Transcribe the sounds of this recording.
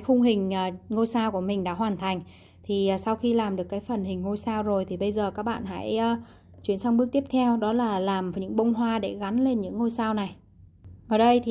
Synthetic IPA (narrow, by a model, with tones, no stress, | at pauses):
jxʊ˧ŋ͡mɦï˨˩ŋ̟ʔəː˨˩ŋo˧jsaː˧wku˧˩əmï˨˩ŋ̟ɗa̰ː˧˥ɦwaː˨˩nt̪ʰa˨˩jŋ̟ | t̪ʰi˨˩˨sa˧wxi˧laː˨˩mɗɨ˨˩əkːaː˨˦jfə˨˩nhï˨˩ŋ̟ːŋo˧jsaː˧wzo˨˩jt̪ʰi˨˩ɓə˧jzəː˨˩kaː˦˥k̚ɓa̰ː˧˨nɦa̰ː˧˥jəː˧ | t͡ɕwi˧˩ənsa˧wŋ͡mɓɨ˦˥ək̚t̪i˦˥əp̚t̪ʰɛ˧wɗɔ˨˦laː˨˩laː˨˩məː˨˩jɲɨ̰˧˥ŋɓə˧wŋ͡mɦwaː˧ɗe˧˩ɣa˨˦nle˧nɲɨ̰˧˥ŋːo˧jsaː˧wna˨˩j | ʔəː˨˩ɗə˧jt̪ʰi˨